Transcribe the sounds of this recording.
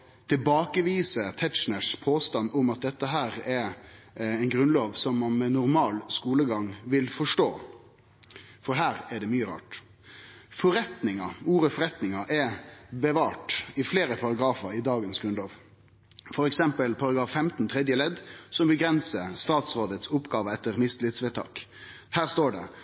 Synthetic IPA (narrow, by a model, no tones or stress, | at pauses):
t̪ʰɪlbɑːkəʋiːsət̪ʰɛt̪ʃnəʂpʰoːst̪ɑnːʊmɑt̪̚d̪ɛt̪ːəɦæːɾɛ | ɛnɡɾʉnloːʋsɔmːɑnmɛnʊɾmɑːlskuːləɡɑŋʋɪlfɔʂʈoː | fɔɾɦæːɾæɖɛmyːəɾɑ̰ːʈ | fɔɾɛt̪nɪŋɑuːɾəfɔɾɛt̪nɪŋɑʔɛbəʋɑːʈɪfleːɾəpʰɑɾɑɡɾɑːfəɾɪd̪ɑːɡənsɡɾʉnloːʋ | fɔɾɛksɛmpəlpʰɑɾɑɡɾɑːfːɛmt̪n̩t̪ʰɾɛd̪jəlɛd̪sɔmbəɡɾɛnsəst̪ɑːt̪sʁoːd̪ət̪sʊpːɡɑːʋəɛt̪ːəɾmɪsd̪lɪt̪sʋɛːt̪ʰɑ̰ːk | hæːʁst̪oːɖɛ̰